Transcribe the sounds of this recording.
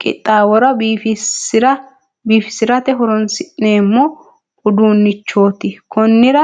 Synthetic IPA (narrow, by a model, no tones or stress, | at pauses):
kʼɪ̰t̪ʼːaːwɔɾɐbiːfɪɾɐ | biːfɪ̥sɪɾɐt̪ɛɦɔɾɔnsɪʔneːmːɔ | ʊd̪uːnːɪt͡ʃːo̞ːt̪ɪkʰɔnːɪɾɐ